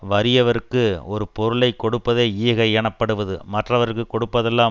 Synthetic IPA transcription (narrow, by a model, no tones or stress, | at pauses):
ʋɐɾɪjɐʋɐɾɯkːɯɔɾɯpɔɾɯɭɐɪkːɔɽɯpːɐðeːiːɣɐɛɳɐpːɐɽɯʋɐðɯmɐʈrɐʋɐɾɯkːɯkːɔɽɯpːɐðɛlːaː